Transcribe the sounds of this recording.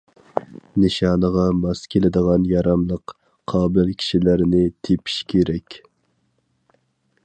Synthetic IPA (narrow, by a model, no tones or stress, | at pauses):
nɨʃɑːnəʁɑmɑskʲʰelɪd̪əʁɑnjɑɾɑmlˠəq | qʰːɑːbɪlkʲʰi̥ʃilæɾnɪt̪ʰepʰi̥ʃkʲʰeɾɛkʲ